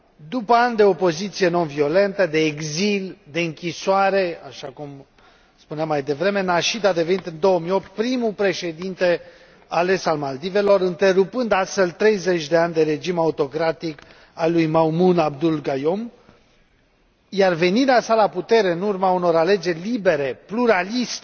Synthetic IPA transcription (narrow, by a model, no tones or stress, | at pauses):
d̪upəand̪e̞opo̞zit̪sije̞no̞nvio̞le̞nt̪əd̪e̞ːɡzild̪e̞ɨŋkʲisoaɾe̞a̰ʃakum | spuneamːajd̪e̞vɾe̞me̞naʃid̪ad̪e̞ve̞nit̪ɨnd̪o̞wəmijo̞p̚t̪̚pɾimupɾe̞ʃe̞d̪int̪e̞ | ale̞salmald̪ive̞lo̞ɾɨnt̪e̞ɾupɨnd̪ast̪felt̪ɾe̞jze̞t͡ʃʲd̪e̞anʲd̪e̞ɾe̞d͡ʒimaut̪o̞kɾat̪ik | alujmawmunab̚d̪ulɡajo̞m | jarve̞niɾeasalaput̪e̞ɾe̞ɨnurmauno̞ɾale̞d͡ʒe̞rʲlibe̞ɾe̞pluɾalist̪e